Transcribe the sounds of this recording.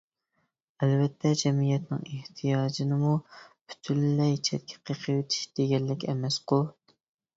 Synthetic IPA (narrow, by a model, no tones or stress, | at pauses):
ɛlvɛt̪ʰːɛd͡ʒɛmijɛt̪nɨ̰ŋeht̪ʰijɑːd͡ʒinɨmupʰy̥t̪ʰyllɛjt͡ʃʰɛt̪̚kʲʰɛ̥qʰəqʰəwɪt̪ʰi̥ʃd̪̥eɡʲɛlːɪkʲɛ̰mɛsqolˠ